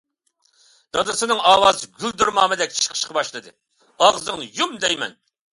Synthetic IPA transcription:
d̪̥ɑd̪ɨsɨnɨŋɑːwɑːzɨɡʲyld̪uɾmɑːmɨd̪ɛk̚ʲt͡ʃʰi̥ʃqʰə̥ʃqʰɑbɑʃlˠɨd̪ɨ̰ | ɑʁzɨŋnɨjumd̪ɛjmɛ̰n

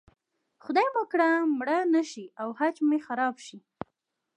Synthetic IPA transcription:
xʊd̪ɑjmakɽamɽanaʃiawhat͡ʃmexaɾɑbʃi

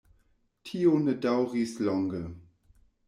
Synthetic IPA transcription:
tʰiːonədawʁislɔŋɡə

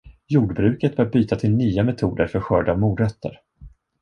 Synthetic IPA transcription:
juːɖbɾʉ̟ːkət̪̚bœːɾbyːt̪at̪ʰɪlnyːamɛt̪ʰuːd̪əɾfœɾɧœːɖaːvmuːd̪ɾœt̪ʰːə̰ɾ

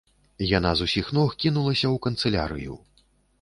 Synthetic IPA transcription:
janazusʲixnɔxkʲinulˠɐsʲɐwkɐnt̪sɛlʲa̰ɾɨ̰jṵ

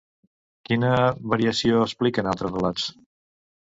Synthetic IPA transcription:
kinəβəɾiəsioəsplikənalˠt̪ɾəsrəlat͡s

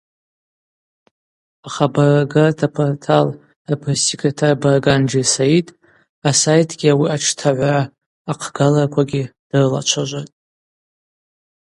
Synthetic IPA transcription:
aχabaraɡatʰapʰortʰal | apʰɨrsekʼetʰarbarɡand͡ʒisaitʼ | asajtʰɡ̥ʲiawiaʈ͡ʂʰtʰaʕʷaraː | qʰɡalarkʷʰaɡʲid̥ɨrɨla̰t͡ʃʷʰaʒʷatʼ

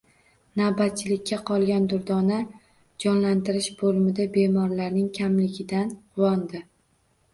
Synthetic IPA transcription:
nawbat̪̚t͡ʃʰɪlɪkʲːaqʰɒlˠɡʲand̪ʊɾd̪ɒna | d͡ʒɒnlant̪ɪɾɪʃbolˠmɪd̪abe̞mɒɾlaɾnɪŋkʲʰamlɪɡʲɪd̪anqʰʊwɒnd̪ɪ

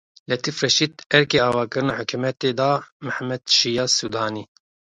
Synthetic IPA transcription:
lɛt̪ifrɛʃiːd̪ɛɾkeːɑːvɑːkɨɾɨnaħʊkʰumɛt̪eːd̪ɑːmɨħmɛd̪ʃijɑːsuːd̪ɑːniː

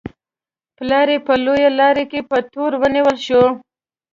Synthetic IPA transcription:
plɑɾepəlojalɑɾekepət̪oɾwəniwəlʃo

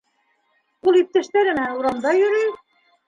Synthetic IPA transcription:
ulˠip̚t̪æ̆ʃt̪æɾɘ̆mæuɾɑnd̪ɑjɵ̆ɾɘj

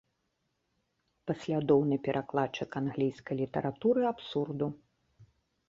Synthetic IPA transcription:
pasʲlʲad̪ɔwnɨpʲɛɾʔaklˠat͡ʂːɨkanɣlʲijskɐjlʲit̪ɐɾʔat̪uɾɨapsurd̪u

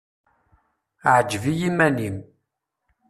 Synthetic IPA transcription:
ʕd͡ʒvijimænim

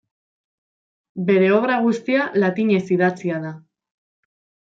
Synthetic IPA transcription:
be̞ɾe̞o̞βɾaɣ̞ust̪ialat̪iɲe̞siðat͡siaða

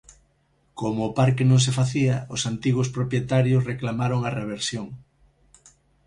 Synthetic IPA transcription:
komʊːpaɾkenõŋs̬efaθiɐosant̪iɣʊspɾopjet̪aɾjosreklamaɾoŋareβ̞eɾsjoŋ

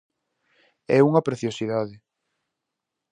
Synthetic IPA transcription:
ɛuŋɐpɾeθjosiðaðɪ

